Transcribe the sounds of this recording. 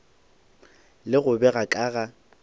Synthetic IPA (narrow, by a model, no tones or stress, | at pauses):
lɪɣʊbɛɣakʼaːɣa